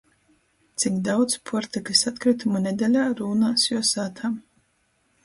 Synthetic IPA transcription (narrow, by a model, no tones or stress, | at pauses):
t̪sikd̪awd̪zpʰɔɾt̪ikɨsat̪kɾɨt̪umanʲed̪ɛlʲaːɾuːnasjɔɔsaːt̪ʰaːm